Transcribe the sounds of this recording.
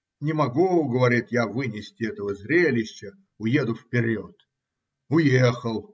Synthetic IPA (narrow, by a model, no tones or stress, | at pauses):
nʲɪmɐɡuɡəvɐɾʲit̪javɨnʲɪsʲtʲɪɛt̪əvəzɾʲelʲɪɕːə | ʊje̞d̪ʊfpʲɪɾʲot̪ | ʊjexəlˠ